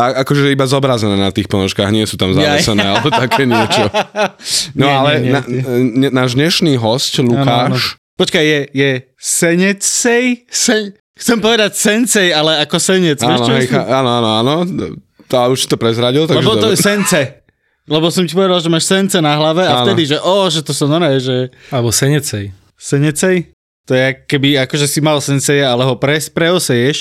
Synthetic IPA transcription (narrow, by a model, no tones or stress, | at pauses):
aakɔʒɛɛibazɔbɾazɛnɛːnat̪iːxpɔnɔʃkaːɣɲɪɛsuːt̪amzaɛsɛnɛːalɛbɔt̪akʰɛːɲɪɛt͡ʃɔ | nɔalɛnaɲɛnaːʒd̪ɲɛʃniːɦɔscluakːaːnʃpɔt͡ʃkajjɛjɛ | sɛɲɛt͡ssɛjsɛɲ | xt͡sɛmpɔʋɛd̪acsɛnt͡sɛjalɛakɔsɛɲɛt͡saɛʃnɔɦɛjxaaːnɔaːnɔaːnɔ | auʃsi̥t̪ɔpɾɛzɾaɟilˠt̪aɡlɛɡʒbɔt̪ɔɛsɛnt͡sɛ | lɛbɔsɔmcipɔʋɛd̪alʒɛmaːʃsɛnt͡sɛnaɦlaʋɛaafnɛd̪iʒɛʔɔʒɛt̪ɔsɔnɔɾɛːʒɛalɛbɔsɛɲɛt͡sɛj | sɛɲɛt͡sɛj | t̪ɔjɛakkːɛbiakɔʒɛsimalsɛnsɛjɛalɛɦɔpɾɛspɾɛɔsɛjɛʃ